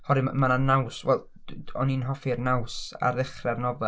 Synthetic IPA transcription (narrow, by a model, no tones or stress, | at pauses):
hɔɾɨmananawswɛlˠ | ɔninɦɔfirnawsa̰ɾɪχrarnɔvɛ